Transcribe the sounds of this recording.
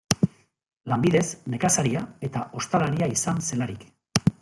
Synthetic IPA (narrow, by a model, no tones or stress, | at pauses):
lambiðe̞zne̞kasaɾiae̞t̪ao̞st̪alaɾiaisanse̞laɾik